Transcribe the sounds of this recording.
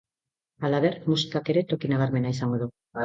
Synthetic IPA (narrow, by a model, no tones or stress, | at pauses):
alaβeɾmusi̥kake̞ɾe̞t̪o̞kinaɣ̞aɾme̞naisaŋɡo̞ðu